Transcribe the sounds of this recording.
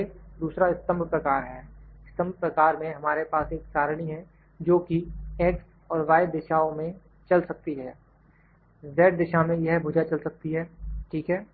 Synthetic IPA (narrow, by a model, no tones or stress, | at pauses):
ed̪uːsɾaɪst̪ə̃mbpɾɐkaːɾɦɛːɪst̪ə̃mb̚pɾɐkaːɾmẽɦɐmaːɾepaːseːksaːɾɽ̃iɦɛ̃ | d͡ʒoːkieːks | ɔːɾʋaːɪbd̪ɪʃaːõmẽ | t͡ʃɐlsɐk̚t̪iɦɛː | zɛːʈ̚d̪ɪʃamẽjɐɦbʱʊd͡ʒat͡ʃɐlsɐk̚t̪iɦɛːʈʰiːkɦɛː